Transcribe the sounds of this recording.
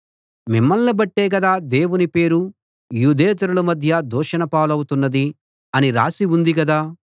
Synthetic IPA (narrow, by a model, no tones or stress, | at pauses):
mimːɐlːɐbɐʈːeːɡɐd̪aːd̪e̞ːwunipe̞ːɾu | juːd̪eːt̪̬ɐɾulɐmɐd̪ʱjɐd̪ɔːʂɐnɐpaːlɐwut̪unːɐd̪i | ɐniɾa̰ːsiund̪iɡɐd̪aː